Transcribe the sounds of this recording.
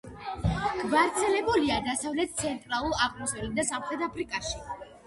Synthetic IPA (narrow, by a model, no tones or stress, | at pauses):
ɡ̥vaɾt̪sʰɛlɛbuliad̪asavlɛt̪̚t̪sʰɛnt̪ʼɾalˠuɾaqʼmɔsɛlid̪asamχɾɛd̪apʰɾikʼaʃi